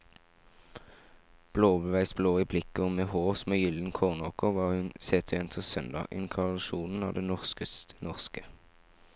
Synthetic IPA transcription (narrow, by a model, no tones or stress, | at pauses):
b̥loːbəʋæɪsb̥loːiːblɪkəɔmeːhoːsmeːjʏln̩kʰoːʁnoːkɔʋɑːhʉnseːt̪ʰːɛnt̪ʰəsœnd̪ɑ̰ːʔɪ̰nkʰɑʁɑʃuːnn̩ɑ̰ːʋd̪eːnɔʁskəst̪ənɔʁskə